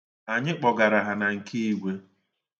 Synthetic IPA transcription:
a˨ɲɪ˦k͡pɔ˨ɡa˨ɾa˨ɦa˨na˨ŋ̩˨ki˦i˦ɡʷe˦

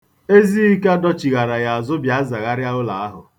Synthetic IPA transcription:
e˦zi˦i˦ka˦dɔ˦t͡ʃi˨ɣa˨ɾa˨ja˨a˨zʊ˦bja˨˦a˦za˨ɣa˦ɾja˦ʊ˦la˨a˦ɦʊ̰˨

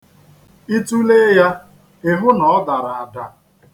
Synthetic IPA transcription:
i˦tu˦le˦ja˦ | ɪ˨ɦʊ˦nɔ˨ɔ˦da˨ɾa˨a˨da̰˨

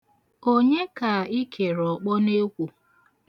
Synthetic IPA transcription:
o˦ɲe˦ka˨i˦kʰe˨ɾɔ˨k͡pɔ˦ne˦kʷu˨

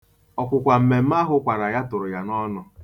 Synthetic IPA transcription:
ɔ˨kʷʊ˨kʷa˨m̩˨me˨m̩˦a˦ɦʊ˦kʷa˨ɾa˨ja˦tʊ˨ɾʊ˨ja˨nɔ˦nʊ˨

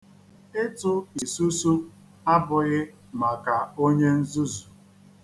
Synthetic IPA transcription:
ɪ˦tʊ˦˨i˨su˦su˦ | a˦bʊ˨ɣɪ˦ | ma˨ka˨o˦ɲe˦n̩˦zu˦zu˨

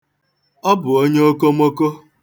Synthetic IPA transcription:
ɔ˦bʊ˨o˦ɲe˦o˦ko˦mo˦ko˦

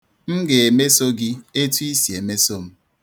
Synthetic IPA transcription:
m̩˦ɡe˨e˨me˦so˦ɡi˦e˦tu˦i˦si˨e˨me˦so˦m̩˦

